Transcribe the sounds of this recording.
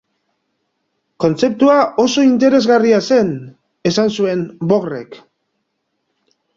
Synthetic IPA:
ko̞nt͡se̞p̚t̪uaʔo̞so̞int̪e̞ɾe̞zɣariase̞n | e̞sansue̞mbo̞ɣre̞̰k

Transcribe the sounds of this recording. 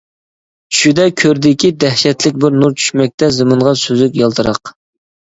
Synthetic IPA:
ʃyd̪ɛkʲʰøɾd̪ɪkʲid̪ɛhʃɛt̪lɪk̚ʲbɪɾnuɾt͡ʃʰy̥ʃmɛk̚ʲt̪ʰɛzɨmɨɴʁɑsøzɪkʲjɑlˠt̪ʰɨɾɑq

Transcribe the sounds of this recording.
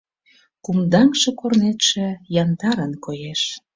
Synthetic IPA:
kumd̪ɑŋʃĕkornet̪ʃĕjɑnd̪ɑɾənkojeʃ

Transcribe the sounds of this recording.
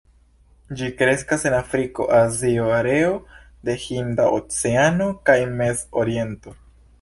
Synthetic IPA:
d͡ʒikɾe̞skase̞nafɾiko̞̰ʔazioaɾe̞o | d̪e̞hindao̰t͡seano̞kajme̞zo̰ɾie̞nto̞

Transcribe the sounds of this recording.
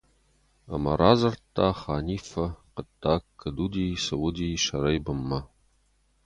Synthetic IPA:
ɐ̰mɐ̰ɾaːzɐrtʰːaːχaːniːfɐqətːaːkʰːɐduːdiːsɐwʊd̪iːʃɐɾɐjbɨmːɐ

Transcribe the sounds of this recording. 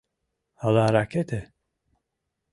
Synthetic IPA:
halaɾaket̪ʰe

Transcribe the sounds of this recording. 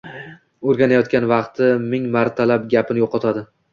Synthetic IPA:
oɾɡʲanajɒt̪̚kʲanvɑqt̪ʰɪmɪŋmaɾt̪ʰalapɡʲapʰɪnɪjoqʰɒt̪ʰad̪ɪ

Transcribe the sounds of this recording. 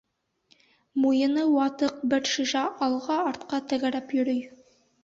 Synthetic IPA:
mujɤ̆nɤwɑt̪ɤq̚bɘɾʃiʃæʔɑlˠʁɑːɾt̪qɑt̪æ̆ɣæɾæpjɵ̆ɾɵj

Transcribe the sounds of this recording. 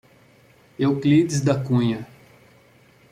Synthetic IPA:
ewklid̪ɪzd̪ɐkũɲɐ

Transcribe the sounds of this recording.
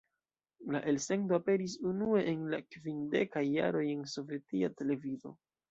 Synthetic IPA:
laʔe̞lse̞ndoape̞ɾis̬unue̞ʔenlakvinde̞kajːa̰ɾo̞je̞nso̞ve̞tiate̞le̞vizo̞̰

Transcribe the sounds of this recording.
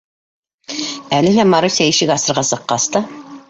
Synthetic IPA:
ælɘ̆ɦ̪æmɑɾusʲæiʃɘkɑsɤ̆ɾʁɑsɤ̆qːɑst̪ɑ

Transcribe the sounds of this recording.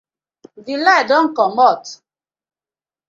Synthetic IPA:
ðiladɔŋ̩kɔmɔt

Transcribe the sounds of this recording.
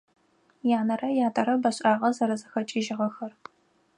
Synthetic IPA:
jaːnɐrɐjaːtʼɐɾɐbɐɕʼaːʁɐzɐɾɐzɐxɐt͡ʃʼiʒɪʁɐxɐr

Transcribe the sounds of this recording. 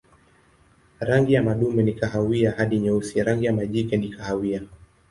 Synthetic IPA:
ɾaŋɡijamaɗumɛnikaɦawiahaɗiɲɛusiɾaŋɡijamaʄikɛnikahawia

